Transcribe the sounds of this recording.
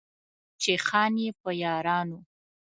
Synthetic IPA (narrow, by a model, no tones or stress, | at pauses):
t͡ʃexɑnjepəjɑɾɑnu